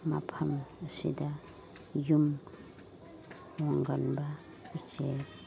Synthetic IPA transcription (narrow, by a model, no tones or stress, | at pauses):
ma̰pʰaməsḭda | jum | waŋɡanba | ut͡ʃe